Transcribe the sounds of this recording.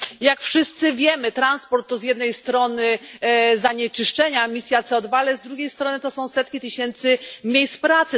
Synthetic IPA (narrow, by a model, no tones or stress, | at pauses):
jakfʂɘst̪sɘvʲjɛmɘt̪ɾanspɔɾt̪ːɔzʲjɛd̪nɛjst̪ɾɔnɘzaɲɛt͡ʂɘʂt͡ʂɛɲamʲisʲjat̪sɛɔd̪vaalɛzd̪ɾuɡʲejst̪ɾɔnɘt̪ɔsɔ̃w̃sɛt̪kʲit̪ɘɕɛnt̪sɘmʲjejspɾat̪sɘ